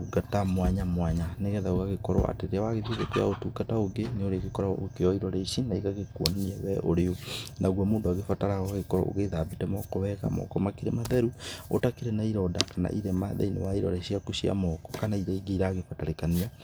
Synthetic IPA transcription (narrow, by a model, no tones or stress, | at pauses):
uɡatamwaɲamwaɲaneɣɛðaɣoɣaɣekɔɾɔ̰a̰teɾeawaɣeðiðekeja̰otukataoɡeneoɾeɣekɔɾaokeɔiɾɔɾeiʃinaiɣaɣekwɔ̰naniawɛʔoɾeonʔaɣwamoːndoaɣefataɾaɣaɣekɔɾɔ̰ʔo̰ɣeðabitɛmɔkoβɛɣa̰mɔ̰kɔmakeɾemaðɛɾuo̰takeɾenaiɾɔdakana̰ʔiɾemaðɛ̰inḛwaiɾɔ̰ɾeɕiakoʃia̰mɔkɔ̥kanaiɾaiɡeɾaːɣefataɾekania